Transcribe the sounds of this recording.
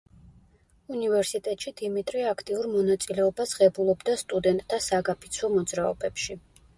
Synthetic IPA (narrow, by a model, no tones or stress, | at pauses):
univɛɾsit̪ʼɛt̪ʼʃid̪imit̪ʼɾiakʰt̪ʼiuɾmɔnat̪sʼilɛɔbasʁɛbulˠɔbd̪ast̪ʼud̪ɛnt̪ʼd̪asaɡapʰit̪sʰwɔmɔd̪zɾaɔ̰bɛpʃi